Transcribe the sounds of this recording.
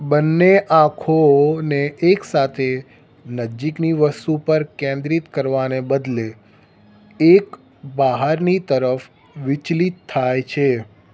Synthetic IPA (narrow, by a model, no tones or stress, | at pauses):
bənːeʔãkʰoneʔːksat̪ʰe | nəd͡ʒikniʋəst̪upəɾkẽnd̪ɾit̪kəɾʋanebəd̪le | ek | baɦaɾnit̪əɾəf | ʋɪt͡ʃlit̪ʰːajt͡ʃʰe